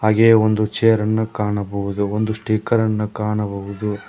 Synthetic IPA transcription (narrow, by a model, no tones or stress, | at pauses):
ɦaːɡeːond̪ut͡ʃejɐɾɐnːukaːɳɐbɐʋud̪uond̪usʈiːkɐɾɐnːukaːɳɐbɐʋud̪u